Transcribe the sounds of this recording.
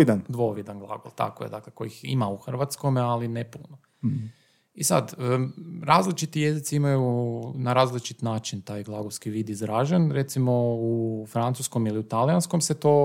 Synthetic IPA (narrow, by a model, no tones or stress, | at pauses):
id̪and̪ʋo̞ʋid̪anɡlˠa̰ɡolˠt̪a̰ko̰je̞d̪akleko̞̰jixḭmauxr̩ʋat̪skomalinepṵno | isa̰d̪əɾaːzlit͡ʃit̪ije̞zit̪siimajunaɾaːzlit͡ʃi̥t̪naːt͡ʃint̪aːjɡlˠaɡoskiʋiːd̪izɾaʒanɾe̞t̪simo̞ufɾant̪susko̞miliut̪alijansko̞mset̪o̞